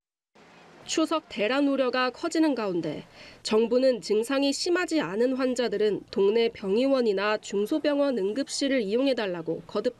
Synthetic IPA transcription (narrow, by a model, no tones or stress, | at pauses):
t͡ɕʰusʰʌk̚te̞ɾanuɾjʌɡakʰʌd͡ʑinɯnɡaunde̞̰t͡ɕʌŋbunɯnt͡ɕɯŋsʰaŋiɕʰimad͡ʑianɯnɸwand͡ʑadɯɾɯntoŋne̞pjʌŋiwʌɲinat͡ɕuŋsʰobjʌŋwʌnɯŋɡɯp̚ɕ͈iɾɯɾijoŋɦe̞daɭːaɡokʌdɯp̚t͈